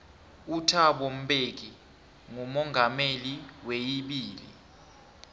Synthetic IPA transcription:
utʰaɓom̩ɓek̬i | ŋumɔŋʱameliwejiɓiːlḭ

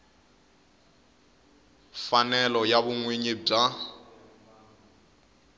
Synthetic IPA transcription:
fanɛlɔjabʊŋweɲib͡ʐa

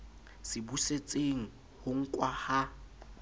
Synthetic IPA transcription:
sɪbuset͡sʼeŋ̩ | hʊŋ̩kʼwaha

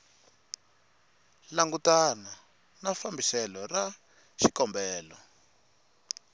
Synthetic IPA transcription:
laŋɡutana | nafambisɛlɔra | ʃikɔmbɛːlɔ

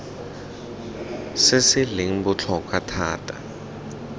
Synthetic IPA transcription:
sɪsɪlɪŋ̩but͡ɬʰɔkʰʼatʰaːtʰʼḁ̰

